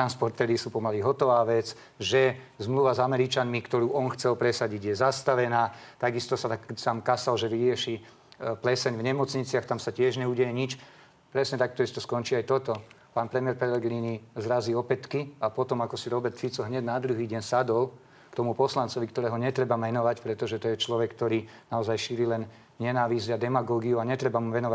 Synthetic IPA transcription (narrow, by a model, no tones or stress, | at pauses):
ɾanspɔɾt̪ɛːɾisuːpɔmaliɦɔt̪ɔʋaːʋɛt͡s | ʒɛ | zmluʋazamɛɾit͡ʃanmikt̪ɔɾuːʔɔnxt͡sɛlpɾɛsaɟiɟjɛzast̪aʋɛnaːt̪aɡist̪ɔsat̪akːsamkasalʒɛʋiɾɪɛʃi | plɛsɛɲvɲɛmɔt͡sɲit͡sɪaxt̪amsacɪɛʒɲɛuɟɛjɛɲit͡ʃ | pɾɛsɲɛt̪ak̚t̪ɔist̪ɔskɔnt͡ʃiːajt̪ɔt̪ɔ | paːnpɾɛmijɛɾpɛlɛɡɾinizɾaziɔpɛt̪kiapɔt̪ɔmakɔsiɾɔbɛɾt̪fit͡sɔɦɲɛɟnad̪ɾuɦiːɟɛɲnsad̪ɔl | kt̪ɔmupɔslant͡sɔʋikt̪ɔɾɛːɦɔɲɛt̪ɾɛbamɛnɔʋacpɾɛt̪ɔʒɛt̪ɔjɛt͡ʃlɔʋɛkːt̪ɔɾiːnaɔzajʃiːɾilɛn | ɲɛnaːʋizɪad̪ɛmaɡɔːɡiuaɲɛt̪ɾɛbamuʋɛnɔʋa